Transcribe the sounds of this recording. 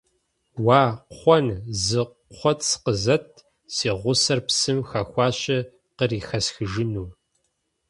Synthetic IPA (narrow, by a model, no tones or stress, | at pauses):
waːɔnzɨ | ɔtʰsqəzɐt̚ʰ | siːʁʷʊsɐrpsɨmxɐxʷɑːɕʼɪ | qəriːxɐsxɨʒɪnuː